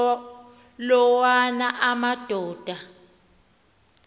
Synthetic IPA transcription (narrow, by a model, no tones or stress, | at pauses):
lɔwanaʔamad̥ʱɔːd̥ʱa